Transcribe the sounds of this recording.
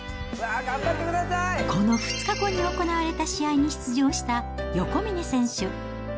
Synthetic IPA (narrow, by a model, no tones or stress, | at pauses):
βaɡambat̪ːekɯ̟d̪asajko̞no̞ɸɯ̟̥t͡sɨ̥kako̞ɲ̟io̞ko̞naβaɾe̞t̪aɕiaiɲ̟içi̥t͡sɨʑo̞ːɕi̥t̪ajo̞ko̞mʲinesẽ̞ɰ̃ɕɨ